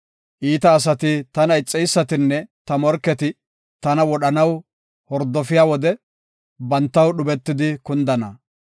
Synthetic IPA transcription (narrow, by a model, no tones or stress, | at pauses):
ʔiːt̪ɐːs̬ɐt̪ɪt̪ɐnɐjt͡sʼːɛjsːɐt̪ɪnːɛt̪ɐmɔɾkːɛt̪ɪ | t̪ɐnɐwɔɗɐnɐw | hɔɾd̪ːɔfɪjaːwɔd̪ɛ | bɐnt̪ːɐwɗʊbɛt̪ːɪd̪ɪkʊnd̪ɐnɐ